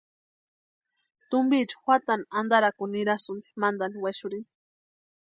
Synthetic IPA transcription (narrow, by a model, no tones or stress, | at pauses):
t̪ʊmbit͡ʃḁwʷat̪anand̪aɾakʊniɾasʊnd̪i̥mand̪aniwaʃʊɾin